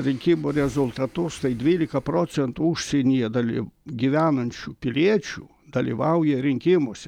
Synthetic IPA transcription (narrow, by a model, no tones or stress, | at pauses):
ɾʲɪŋʲkʲɪmuːɾʲɛzʊlˠt̪ɐt̪ʊst̪ɐɪd̪ʲʋʲiːlʲɪkɐpɾoːt͡ssʲɛnt̪uʊʃʲsʲɛnʲijɛd̪ɐlʲiɡʲiːʋʲæːnɐnʲt͡ʃʲuːpʲɪlʲiɛt͡ʃʲṵː | d̪ɐlʲḭːʋɐʊjɛɾʲɪŋʲkʲɪmoːsʲɛ